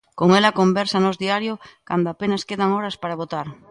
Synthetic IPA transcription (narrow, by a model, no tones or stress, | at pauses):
koŋelakombeɾsanozðiaɾjokand̪oapenaskeðaŋoɾɐspaɾaβot̪aɾ